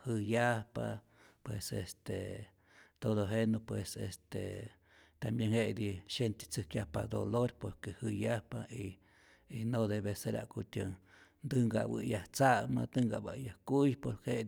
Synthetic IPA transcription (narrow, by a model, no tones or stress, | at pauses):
hɨjapa̰ | pwesḛst̪e | t̪od̪oɦenopwesest̪ḛ | t̪ambjeŋhed̪iʃent̪e̥t͡sɨkjahpa̰d̪oloɾpoɾkehɨjahpaiː | nod̪eβeseɾa̰ʔkut̪ʲjəŋ | nd̪ɨŋɡa̰bɨ̰jaht͡saʔmad̪ɨŋɡa̰ʔbajahkujpoɾke